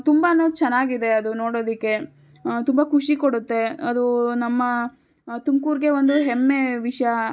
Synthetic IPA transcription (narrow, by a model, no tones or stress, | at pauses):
t̪umbɐnot͡ʃɛnːaːɡid̪e̞ɐd̪uno̞ːɽoːd̪ikːe̞ | t̪umbɐkʰuʂikoɽut̪ːe̞ɐd̪unɐmːɐ | t̪umkuːɾɡe̞ʋo̞nd̪uɦemːe̞ʋiʂɐjɐ